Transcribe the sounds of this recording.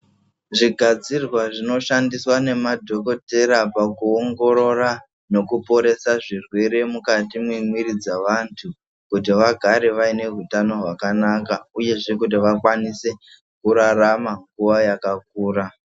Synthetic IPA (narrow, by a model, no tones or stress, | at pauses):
ʐiɡʱad͡zirwaʐino̞ʃandiswane̞madʱo̞ko̞te̞ɾapakuoŋɡo̞ɾo̞ra | no̞kupo̞ɾe̞saʐirwe̞ɾe̞mukatimwimwiɾid͡zaʋantʰu | kut̬iʋaɡʱaɾeʋaine̞ɦutano̞ɦwakanakauje̞ʐe̞k̬ut̬iʋakwanise̞ | kuɾaramaŋɡuʋajakak̚uːɾa